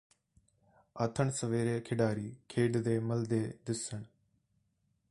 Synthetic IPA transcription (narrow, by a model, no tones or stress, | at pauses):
ət̪ʰəɳsəʋeːɾeːkʰɪɖaːɾiːkʰeːɖd̪eːməld̪eːd̪ɪsəɳ